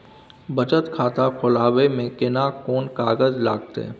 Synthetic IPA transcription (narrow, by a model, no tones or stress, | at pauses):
bɐt͡ʃət̪kʰaːt̪akʰʊlaːwemẽkɪnakoːnkaːɡəzlaːɡt̪ḛɛ̰